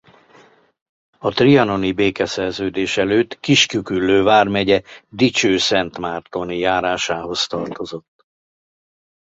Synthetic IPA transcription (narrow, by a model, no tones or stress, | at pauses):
ɒt̪riɒno̞nibeːkɛsɛrzøːd̪eːʃɛløːt̪kiʃkykylːøːvaːrmɛɟɛd̪it͡ʃøːsɛnt̪maːrt̪o̞nijaːɾaːʃaːɦo̞st̪ɒrt̪o̞zo̞t̪ː